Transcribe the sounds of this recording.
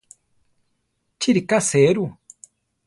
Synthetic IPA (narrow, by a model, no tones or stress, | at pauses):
tʰiɾikaseɾu